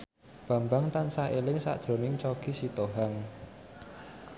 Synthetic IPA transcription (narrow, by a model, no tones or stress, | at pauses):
b̥ä̤mbaŋt̪ansaʔelɪŋsa̰ʔd̥ʒ̥ɾo̤nɪŋt͡ʃɔɡ̥i̤sit̪oɦaŋ